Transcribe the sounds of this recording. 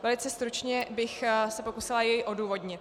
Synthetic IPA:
vɛlɪt͡sɛst̪ɾut͡ʃɲɛbɪxsɛpo̞kusɪlajɛjʔo̞duːvo̞d̪ɲɪt̪̚

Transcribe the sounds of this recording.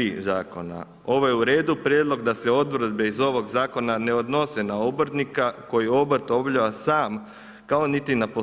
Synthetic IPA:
iːzaːko̞na̰ | o̞ʋo̞jeuɾe̞ːd̪upɾjeːd̪lˠo̞ɡd̪ase̞o̞d̪ʋɾ̩d̪be̞izo̞ʋo̞ɡzaːko̞nane̞o̞d̪no̞senaobrt̪nikako̞jio̞bɾ̩t̪o̞bʎaʋasaːm | kao̞nit̪inapo

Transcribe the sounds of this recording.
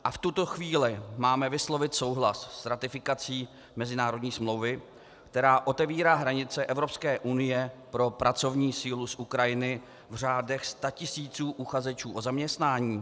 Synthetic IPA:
ʔaft̪ut̪o̞xviːlɪmaːmɛvɪslo̞vɪt̪so̞wɦlassɾat̪ɪfɪkat͡siː | mɛzɪnaːɾo̞dɲiːsmlo̞wvɪ | kt̪ɛɾaːʔo̞t̪ɛviːɾaːɦɾaɲɪt͡sɛʔɛvɾo̞pskɛːʔunɪjɛpɾo̞pɾat͡so̞vɲiːsiːlusʔukɾajɪnɪ | vr̝aːdɛxst̪acɪsiːt͡suːʔuxazɛt͡ʃuːʔozamɲɛst̪naːɲiː

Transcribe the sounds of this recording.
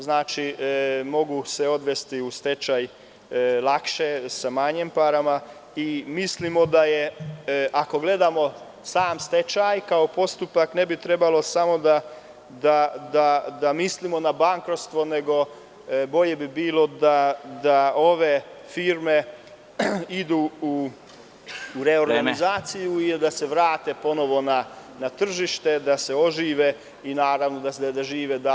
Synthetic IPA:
znaːt͡ʃimo̞ɡuseo̞d̪ʋe̞st̪iust̪e̞t͡ʃaj | lˠakʃesamaɲempaɾama | imislimo̞d̪aje | ako̞ɡle̞d̪amo̞ | saːmst̪e̞t͡ʃajkao̞po̞st̪upakne̞bit̪ɾe̞balˠo̞samo̞d̪a | d̪ad̪ad̪amislimo̞nabaŋkɾot̪st̪ʋo̞ne̞ɡo̞ | bo̞ʎe̞bibiːlo̞d̪ad̪ao̞ʋefiːɾme̞ | id̪uːu | uɾeo̞ɾɡɡanizaːt̪sijuid̪ase̞ʋɾaːt̪e̞po̞no̞ʋo̞nanat̪r̩ʒiʃt̪e̞d̪ase̞o̞ʒiːʋe | inaːɾaʋno̞d̪ad̪aʒiːʋed̪a

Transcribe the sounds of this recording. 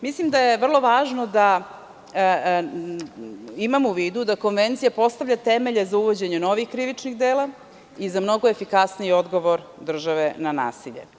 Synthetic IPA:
mislimd̪ajeʋr̩lˠo̞ʋaːʒno̞d̪a | imamuʋiːd̪ud̪ako̞nʋe̞nt̪sijapo̞st̪aʋʎat̪eme̞ʎezauʋod͡ʑe̞ɲeno̞ʋixkɾiʋit͡ʂniɣd̪eːla | izamno̞ɡoefikasniio̞d̪ɡo̞ʋo̞ɾ | d̪r̩ʒaʋenana̰ːsiʎḛ

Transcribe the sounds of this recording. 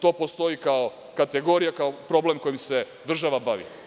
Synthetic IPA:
t̪o̞ːpo̞st̪o̞ikao | kat̪eɡo̞ɾijakaopɾo̞ble̞mko̞jimse̞ | d̪r̩ʒaʋabaʋḭ

